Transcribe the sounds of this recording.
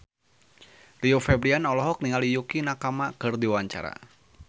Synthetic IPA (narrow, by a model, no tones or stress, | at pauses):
riofɛbɾianɔlɔɦɔk̚niŋalijukinakamakɨrdiwaɲt͡ʃa̰ɾa̰